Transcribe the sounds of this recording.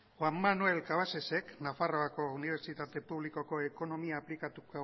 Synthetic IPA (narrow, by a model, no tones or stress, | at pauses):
xwamːanue̞lkaβ̞ase̞se̞knafaro̞ako̞uniβ̞e̞ɾt͡ʃit̪at̪e̞puβ̞liko̞ko̞eko̞no̞miaːplikat̪uko